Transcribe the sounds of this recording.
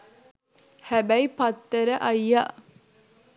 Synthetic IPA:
hæbæipat̪ːəɾəʔɐjːa̰ː

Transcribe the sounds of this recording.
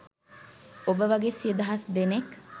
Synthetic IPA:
obəʋɐɡesied̪ɐɦɐsd̪enek

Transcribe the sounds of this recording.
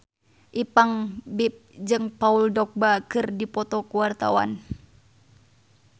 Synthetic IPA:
ʔipaŋbip̚d͡ʒɨŋpauldɔk̚bakɨrdipɔt̪ɔkuwart̪a̰wa̰n

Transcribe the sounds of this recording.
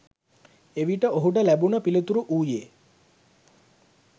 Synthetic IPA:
eʋiʈəoɦuʈ̬əlæbunəpilit̪uɾuʔuːjeː

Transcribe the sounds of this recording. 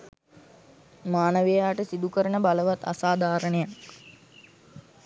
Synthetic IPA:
maːnəʋejaːʈəsid̪ukəɾənəbaləʋat̪a̰saːd̪ʱaːɾənejak

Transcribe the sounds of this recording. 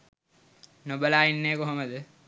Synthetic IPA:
nobəlaːinːeːkuɦoməd̪ə

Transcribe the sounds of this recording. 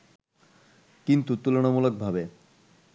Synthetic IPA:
kint̪ut̪uloñomulok̚bʱabe

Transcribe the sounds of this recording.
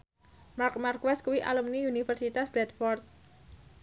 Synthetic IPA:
mark̚markwaskuwiʔa̰lumniunifərsit̪asb̥ɾɛt̪fɔrt̪̚

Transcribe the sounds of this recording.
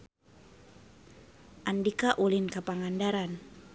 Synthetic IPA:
ʔandikaʔulinkapaŋandaɾan

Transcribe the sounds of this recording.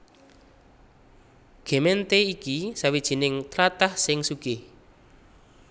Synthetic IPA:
ɡ̥e̤mɛnt̪eikisawid̥ʒ̥i̤nɪŋt̪ɾat̪ahsɪŋsuɡ̥ɪh

